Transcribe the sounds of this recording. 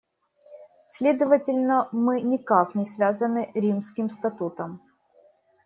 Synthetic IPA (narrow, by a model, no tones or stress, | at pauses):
sʲlʲed̪əvətʲɪlʲnəmɨnʲɪkaknʲɪsvʲazənɨɾʲimskʲɪmst̪ɐt̪ut̪əm